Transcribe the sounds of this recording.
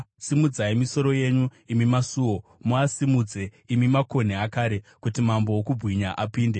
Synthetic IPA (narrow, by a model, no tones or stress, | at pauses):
simud͡zaimiso̞ɾo̞je̞ɲu | imimasuːwo̞muasimud͡ze̞ | imimako̞neakaɾe̞kutimambo̞wokubʱwiɲaʔapiːnde̞